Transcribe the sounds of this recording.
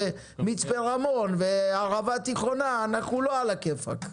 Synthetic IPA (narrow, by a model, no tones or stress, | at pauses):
mit͡spelʁamonveaʁavat̪iχonaːnaχnuloalakefa̰k